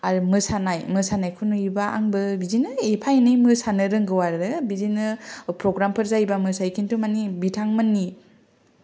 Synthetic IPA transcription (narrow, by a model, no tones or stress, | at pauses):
aɾumɯsanajmɯsanajkʰunuibaa̰ŋbɯbizinɯepʰajnɯmɯsanɯɾɯŋɡɯwaɾɯbizinɯpɾɔɡɾampʰɯɾzajbamɯsajkʰintumanibitʰaŋmɯnːi